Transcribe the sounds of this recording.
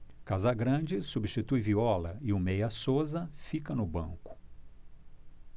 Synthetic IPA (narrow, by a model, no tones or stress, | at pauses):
kazɐɡɾɐ̃d͡ʒɪsubiʃt͡ʃit̪ujviɔlɐɪʊmejɐsozɐfikɐnʊbɐ̰̃ŋkʊ̥